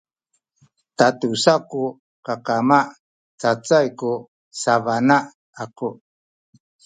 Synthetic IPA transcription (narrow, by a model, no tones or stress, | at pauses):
t̪atusaku | kakamaʔ | t͡sat͡sajku | savana | aku